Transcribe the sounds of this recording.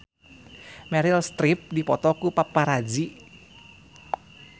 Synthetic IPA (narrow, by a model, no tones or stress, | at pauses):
mɛɾilst̪ɾip̚dipɔt̪ɔkupapːaɾad͡ʒi